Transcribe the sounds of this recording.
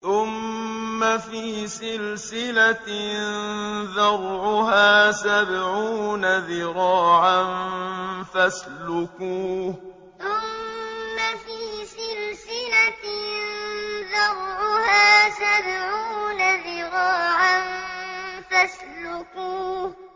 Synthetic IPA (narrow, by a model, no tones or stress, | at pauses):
θʊmːafiːsɪlsɪlanðɑɾˤʕʊɦaːsabʕuːnaðɪɾɑːʕan | faslʊkuː | θʊmːafiːsɪlsɪlatnðɑɾˤʕʊhaːsabʕuːnaðɪɾɑːʕan | faslʊkuː